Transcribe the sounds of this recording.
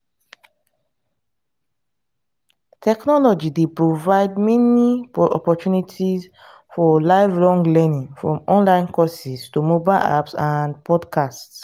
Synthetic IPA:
tʰɛknɔlɔd͡ʒidepɹovaɪd̚mɛnipɔ̰pɔtunitʰis | fɔlaɪvɹɔ̃ŋɡlɛnĩŋfɹɔ̃mɔ̃nlãɪ̃nkɔsistumobaɪla̰psãnpʰɔdkʰasts

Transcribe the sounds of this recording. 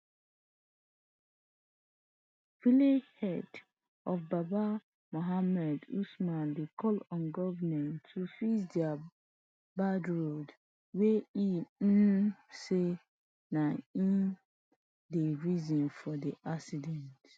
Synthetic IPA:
vilehɛd | ɔfbaba | moɦamɛdusmãndekʰɔlɔ̃nɡɔvnɛ̃ntʰːufisdia | badɹod | wei | se | naĩn | deɹizɔ̃nfɔdiʔaksidɛ̃nt

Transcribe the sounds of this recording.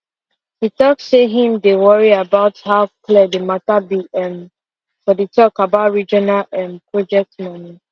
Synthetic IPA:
hitɔkseɦĩmdewɔɹiabaʊthaʊkʰlɛdematabiɛm | fɔditʰɔkabaʊtɹid͡ʒɔnalɛ̃mpɹɔd͡ʒɛk̚tmani

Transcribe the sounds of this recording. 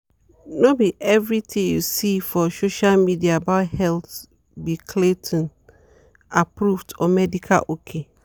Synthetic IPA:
nobiʔɛvɹitʰĩjusifɔsoʃalmidiaːbaʊthɛlθ | bikʰletʰɔ̃n | apɹuvtɔmɛdikʰa̰lʔokʰe

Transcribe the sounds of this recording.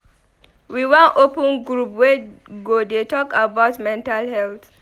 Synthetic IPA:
wiwãnʔopə̃nɡɾupwɛɡodetɔkabaʊtmɛ̃ntalhɛlt̪

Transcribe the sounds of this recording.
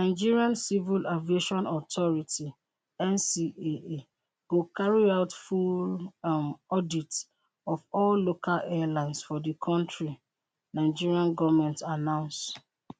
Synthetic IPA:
naɪd͡ʒiɹiãnsivilavieʃɔ̃nɔtʰɔɹiti | ɛ̃nsiee | ɡokaɹiaʊtfull | ɔdit | ɔvɔlːokʰalɛalãɪ̃ndsfɔdəkʰɔ̃ntɹi | nãɪd͡ʒiɹiãnɡɔvmɛ̃ntanãʊ̃ns

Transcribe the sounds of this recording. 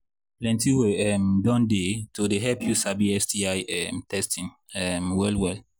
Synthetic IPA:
plɛ̃ntiweɛmdɔ̃ndetodeɦɛlpʰjusabiɛsdiajɛmtʰɛstʰĩn | ɛmwɛlwɛl

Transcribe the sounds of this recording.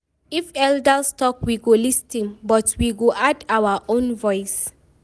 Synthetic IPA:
ifɛldastɔkwiɡolistĩnbɔtwiɡoʔadawaʔõnvɔɪs

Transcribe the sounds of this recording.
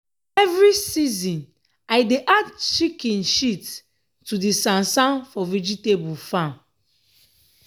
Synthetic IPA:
ɛvɹisizĩn | aɪdeʔadt͡ʃikĩnʃitː | udisãnsãnfɔvid͡ʒitebulfãn

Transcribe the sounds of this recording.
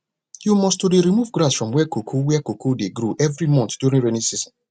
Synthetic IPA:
jumɔstudeɾimuvɡɾasfɹɔ̃mwɛkokʰowɛɛkokodeɡɾoʔɛvɾimɔ̃ntd̥juɾĩnɹenisizɔ̃n

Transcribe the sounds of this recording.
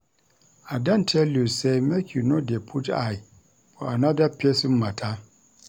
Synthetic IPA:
adantʰelusemekʲunodepʰuta̰i | poanadapʲːesimːatʰa

